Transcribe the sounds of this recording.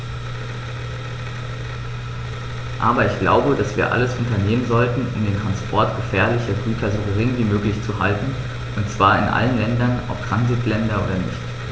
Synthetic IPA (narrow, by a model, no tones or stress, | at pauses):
ʔa̰ːbɐɪçɡ̥la̰ʊbədasv̥iːɐʔa̰ləsʔʊntɐneːmənzɔltn̩ʊ̰mdeːntʁ̥anspʰɔɐtɡ̥əfɛːɐlɪçəɡyːtʰɐzoɡəʁɪŋviːmøːklɪçt͡suhaltn̩ | ʔʊntt͡sv̥aːɐɪnʔa̰lənlɛndɐnɔ̰p̚tʁ̥anzɪtlɛndɐʔoːdɐnɪ̰çt